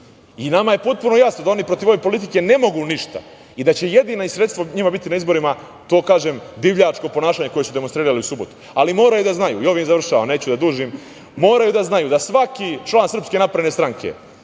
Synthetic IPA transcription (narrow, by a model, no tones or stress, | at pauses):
inamaje̞po̞t̪̚puno̞jasno̞d̪ao̞nipɾo̞t̪iʋo̞ʋe̞po̞lit̪̬ike̞ne̞mo̞ɡuniʃt̪a̰ | id̪at͡ɕe̞jed̪iːnaisɾet̪st̪ʋoɲimabit̪inaizbo̞ɾima | t̪o̞ːkaːʒeːmd̪iʋʎat͡ʃko̞po̞naːʃaːɲe̞ko̞jesud̪e̞monst̪ɾiːɾaliusubo̞t̪u̥ | alimo̞ːɾajud̪aznajṵio̞ʋimizaʋr̩ʃaʋane̞ːt͡ɕud̪ad̪uːʒim | mo̞ːɾajud̪aznajud̪asʋakit͡ʃlˠaːnsɾr̩pske̞napɾane̞st̪ɾaŋkʰḛ